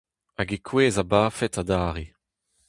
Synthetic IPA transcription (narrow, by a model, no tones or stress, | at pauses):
aɡekʰweːzabaːfɛtadaːʁe